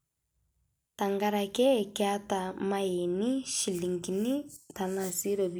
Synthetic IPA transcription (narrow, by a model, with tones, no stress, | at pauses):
ta˨ŋɡa˦ɾa˨kɛ˦˨kɛ˦a˦ta˨ma˦ɛ˨ni˦ʃi˨li˨ŋki˨ni˦ta˨na˨si˦ɾɔ˨b